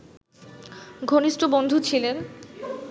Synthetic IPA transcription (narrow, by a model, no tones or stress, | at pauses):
ɡʱoniʃʈobond̪ʱut͡ɕʰilen